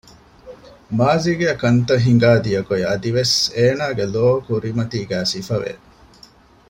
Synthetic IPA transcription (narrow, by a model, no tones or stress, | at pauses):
maːziɡeɐkɐnt̪ɐɦiŋ̆ɡaːd̪ijɐkojɐd̪iʋeseːnaːɡeloːkuɾimɐt̪iːɡæːsifɐʋḛ